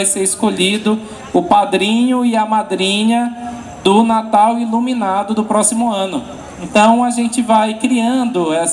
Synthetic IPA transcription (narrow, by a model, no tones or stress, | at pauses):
jseɾɪskoʎid̪ʊ | ʊpad̪ɾĩɲʊiɐmad̪ɾĩɲɐ | d̪ʊnat̪awilumĩnad̪ʊd̪ʊpɾɔsimʊɐ̃nʊ | ẽnt̪ɐ̃w̃aʒẽnt͡ʃɪvajkɾiɐ̃nd̪ʊɛs